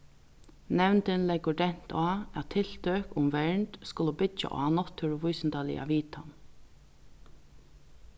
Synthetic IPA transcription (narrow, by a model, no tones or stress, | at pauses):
nɛwnt̪ənlɛɡʊɖɛn̥t̪ʰaːæt̪ʰːɪl̥t̪œːkʊmʋɛɹɳt̪skʊləbʏt͡ʃa̰ʔɔ̰anɔt̪ʰːʊɾʋʊjsnt̪alɪ̰ʔa̰ʋiːt̪an